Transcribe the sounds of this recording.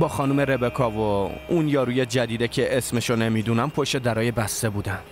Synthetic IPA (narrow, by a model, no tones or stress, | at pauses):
bɒːxɒːnumeɾebekʰɒːvounjɒːɾuːjed͡ʒæd̪iːd̪ecʰeʔesmeʃone̞miːd̪uːnæmpʰoʃed̪æɾɒːjebæst̪e̞buːd̪æn̥